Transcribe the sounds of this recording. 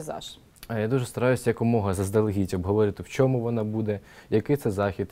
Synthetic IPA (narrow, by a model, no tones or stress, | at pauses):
zɑ̰ʃ | jad̪uʒɛst̪ɐɾɑjʊsʲɐjɐkʊmɔɦɐzɐzd̪ɐlˠɦʲitʲɔbɦɔʋɔɾʲɪt̪ɪwt͡ʃɔmuʋɔnɑbud̪ɛjɐkɪjt̪sɛzɑxʲid̪